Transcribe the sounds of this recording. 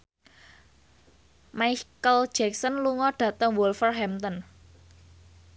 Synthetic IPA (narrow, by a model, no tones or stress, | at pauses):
majkəld̥d͡ʒ̥ɛk̚sənluŋɔɖ̥ä̤t̪əŋwɔlfərɦɛmt̪ɔn